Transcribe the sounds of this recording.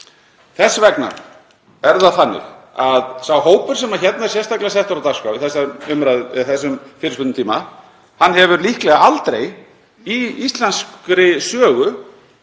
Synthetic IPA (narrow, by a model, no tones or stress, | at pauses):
θɛsːvɛkna̰ɾ | ɛɾðaðθanːɪ̰xaðsawɦoːwpʏɾ̥sɛmaçɛt̪̚nasjɛrst̪aklɪasɛft̪ʏɾawt̪askawvɪθɛsːaʏmɾaðɪθɛsːʏmfɪːɾɪspʏnɪnt̪ʰiːma | hanːhɛvʏɾlihklɛɣaalt̪ɾej | iist̪lanskɾɪsœːɣʏ